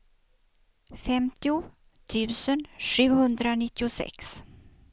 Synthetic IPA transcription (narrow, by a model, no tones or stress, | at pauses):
fɛmt̪ɪʊ | t̪ʰʉ̟ːsənɧʉ̟ːhɵnd̪ɾanɪt̪ːɪʊsɛ̰ks